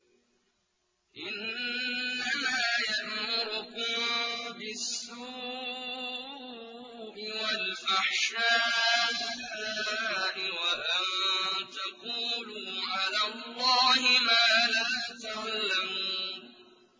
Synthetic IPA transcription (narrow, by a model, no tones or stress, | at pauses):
ʔɪnː | amaːjaʔmʊɾʊkʊmbɪsːuː | ʔɪwalfaħʃaːʔɪlːaːʔɪwaʔant̪aquːluːʕalaːlːɑːhɪmaːlaːt̪aʕalːamuuːn